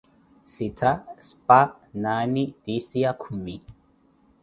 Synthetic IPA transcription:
sɪt̪ʰɐspanaːnid̪̥isɪjakʰʊmːi

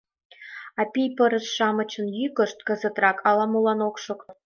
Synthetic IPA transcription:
ɑpʲijpɤ̆ɾə̆sʂɑmɤ̆t͡ɕɤ̆njykə̆ʂt̪̚kə̆zə̆t̪rɑkʰɑlˠɑmulˠɑnokʂɤ̆k

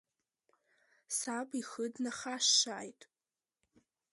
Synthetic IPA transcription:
sabʼixədnaχaʃːaːjtʼ

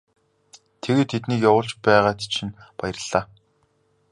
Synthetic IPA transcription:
t̪ʰeɣeːt̪ʰet̪niːkjawʊ̆ːɬt͡ɕpæːʁaːt̪t͡ɕʰinpajə̆rə̆ɮ̥ːaː

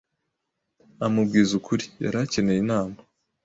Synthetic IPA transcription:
amub̚ɡiːzukʰuɾija̰ɾace̞ne̞jinaːna

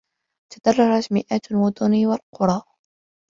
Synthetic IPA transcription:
t̪ʰad̪̥ɑrˤːɑɾˤɑt̪mɪʔaːt̪almʊd̪ˤʊniwalqʊɾˤɑː

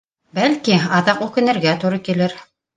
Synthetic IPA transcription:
bælkiɑðɑqʉkɘ̆nɘ̆ɾɡæt̪uɾɤkilɘɾ

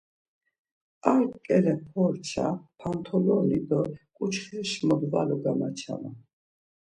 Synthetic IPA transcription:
aɾkkʼɛlɛpʰɔɾt͡ʃʰa̰pʰant̪ʰɔlɔnid̪ɔkʼut͡ʃʰχiʃmɔd̪valuɡamat͡ʃʰa̰ma

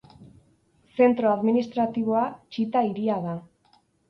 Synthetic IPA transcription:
se̞nt̪ɾoaðminist̪ɾat̪iβ̞o̞at͡ʃit̪aiɾiaða

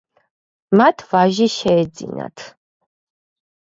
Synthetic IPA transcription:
mat̪ʰvaʒiʃɛːd̪zḭna̰t̪ʰ

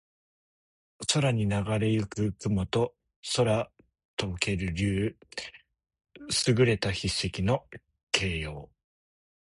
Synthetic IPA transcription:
soɾaɲ̟inaɡaɾe̞jɯkɯ̟kɯ̟mot̪o̞ | so̞ɾa | t̪oɯke̞ɾɯ̟ɾʲɯː | sɨɡɯ̟ɾe̞t̪açisːekʲino̞ | kʰe̞ːjo̞ː

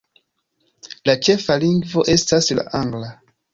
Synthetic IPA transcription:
lat͡ʃe̞faliŋɡvo̞ʔe̞stasla̰ʔaŋɡla

